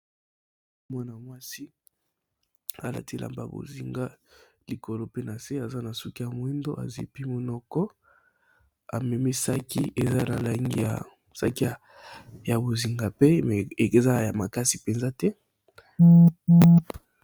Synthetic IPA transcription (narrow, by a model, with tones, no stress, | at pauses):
mwa˦na˨mwa˦si˦ | a˦la̰˨ti˦˨la̰˨mba̰˨bo̰˨zi˨ŋɡa˦ | li˨ko˨lo˦pe˦na˨se˦a˨za˦na˨su˦ki˦a˨mo˨˦i˦ndo̰˦ʔa̰˨zḭ˨pi˦mo˨nɔ˦kɔ˦ | a̰˨mɛ˨mi˦sa˦ki˦e˨za˦na̰˨la˨ŋɡḭ˦ja̰˨ | sa̰˦ki˦a˨ | ja˨bo˨zi˨ŋɡa˨pe˦mɛ˨e˨za˦ja˨ma˨ka˦si˨pe˨nza˦tɛ˦